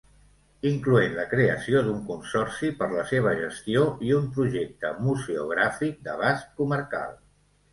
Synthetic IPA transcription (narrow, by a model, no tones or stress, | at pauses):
iŋkluenləkɾeəsiod̪uŋkunsɔrsipəɾləseβ̞əʒəst̪ioiumpɾuʒek̚t̪ə̰muzeṵɣ̞ɾafik̚d̪əβaskkuməɾka̰lˠ